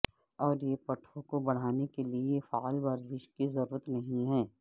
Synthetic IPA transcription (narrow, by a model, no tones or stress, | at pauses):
ɔːɾjepɐʈʰõkobɐɽ̤aːnekeliefaːlʋɐɾzɪʃkizɐɾuːɾət̪nɐɦĩɦɛː